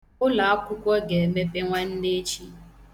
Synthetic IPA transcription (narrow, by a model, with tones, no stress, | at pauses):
ʊ˦la˨a˦kʷʊ˦kʷɔ˦ɡe˨me˦pe˦ŋʷa˦n̩˦ne˦t͡ʃi˦